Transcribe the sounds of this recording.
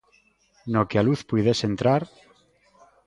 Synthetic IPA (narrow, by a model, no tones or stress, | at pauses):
nokealuθpujðesent̪ɾaɾ